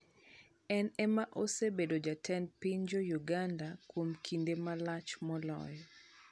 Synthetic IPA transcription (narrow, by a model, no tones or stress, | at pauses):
ɛnɛmaʔosebedod͡ʒatʰɛnpiɲd͡ʒɔjuɡandakwomkʰindemalat͡ʃmɔlɔ̰jɔ